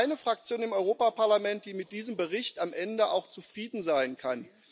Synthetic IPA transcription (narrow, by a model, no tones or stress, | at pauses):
ɪnəfʁ̥ak̚t͡sjoːnɪmʔɔʏʁoːpapaɐlamɛnt̚d̥iːmɪt̚d̥iːzəmbəʁɪçtamʔɛndəʔa̰ʊxt͡sufʁ̥iːdn̩zaɪnkʰan